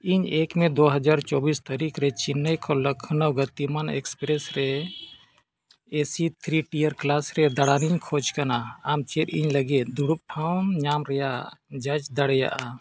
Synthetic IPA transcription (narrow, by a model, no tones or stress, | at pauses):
iɲekmẽd̪oɦəd͡ʒaɾt͡ʃɔbist̪əɾikɾet͡ʃinːəjkʰɔləkʰːnəwɡət̪imanḛkspɾesɾe | esit̪ʰɾiʈijəɾklasɾed̪əɽaniɲkʰod͡ʒkənaamt͡ʃeɾiɲləɡed̪uɽup̚ʈʰaʊmɲamɾɛjad͡ʒəd͡ʒd̪əɽja̰ʔa